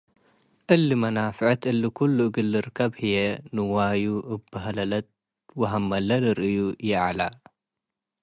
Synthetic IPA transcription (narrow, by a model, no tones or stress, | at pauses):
ʔɨlːɨmɐnafɨʕɨt̪ʔɨlːɨkʰulːuʔɡɨlːɨɾɨkʰːɐbhɨjenɨwajuʔɨbɐɦɐlɐlɐt̪̚ | wɐɦɐmːɐlɐlɨɾʔɨjujɛʕala